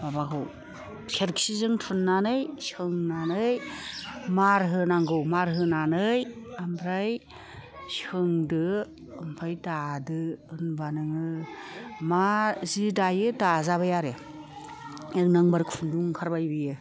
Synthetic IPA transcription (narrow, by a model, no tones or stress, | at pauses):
babakʰɯw | sʰeɾkʰsizɯŋtʰunːanɯjsɯŋnanɯj | maɾɦɯnaŋɡɯwmaɾɦɯnanɯjambɾaj | sɯŋdɯ | ɯmpʰajdadɯɯnbanɯŋɯ | mazidajɯdazaβajaɾe | eŋnaŋbaɾkʰunduŋkʰaɾbajbijɯ